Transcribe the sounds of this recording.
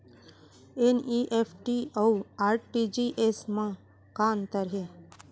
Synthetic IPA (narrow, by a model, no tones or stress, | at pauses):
eniʔeːpʰʈiawaːɾʈʈid͡ʒiʔesmã | kaːnt̪əɾɦe